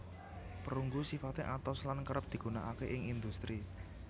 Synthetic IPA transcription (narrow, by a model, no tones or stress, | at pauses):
pəɾuŋɡusifat̪eʔat̪ɔslankəɾəp̚d̪̥i̤ɡ̥ṳna̰ʔakeʔɪŋind̪ust̪ɾi